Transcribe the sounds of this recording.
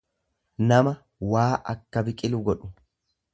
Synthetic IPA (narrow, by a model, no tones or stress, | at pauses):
nɐmɐ | waːʔɐkːɐbɪkʼɪlʊɡɔᶑʊ̥